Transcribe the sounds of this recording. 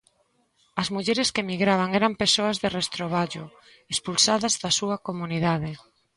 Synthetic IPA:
ɐzmuʎɛɾeskemiɣɾaβ̞aŋɛɾampesoɐzðerest̪ɾoβ̞aʎʊ | espulsaðɐzðɐsuɐkomuniðaðɪ

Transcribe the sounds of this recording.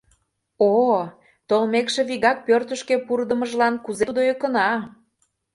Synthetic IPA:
o | t̪olmekʃĕβiɣɑk̚pørt̪əʃkepurd̪ə̆məʒlɑnkuzeud̪ojekənɑ

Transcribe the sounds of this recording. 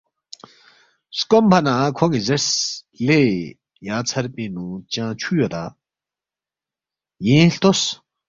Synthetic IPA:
skompʰanakʰoŋizes | le | jat͡sʰarpinut͡ɕãt͡ɕʰujot̪a | jinɬt̪os

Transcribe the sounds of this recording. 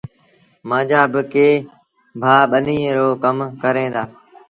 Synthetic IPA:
mãːd͡ʒaːbɪkeː | bʱaːɓənĩːɾoːkəmkəɾẽːd̪aː

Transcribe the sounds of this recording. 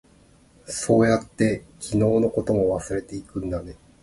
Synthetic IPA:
so̞ːjat̪ːe̞kʲʰino̞ːno̞ko̞t̪o̞mo̞βasɨɾe̞t̪e̞ikɯ̟̃nd̪ane

